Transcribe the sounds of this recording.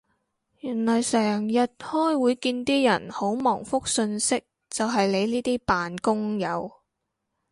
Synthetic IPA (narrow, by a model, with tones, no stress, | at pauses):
jyː˨˩nlɔː˨˩jsɛː˨˩ŋjɐ˨t̚hɔː˥jwuː˨˧jkiː˧nt̪iː˥jɐ˨˩nho˨˥wmɔː˨˩ŋfʊ˥k̚sɵ˧nsɪ˥k̚ | t͡sɐ˨wɦɐ˨jle˨˧jniː˥t̪iː˥paː˨nkʊ˥ŋjɐ˨˧w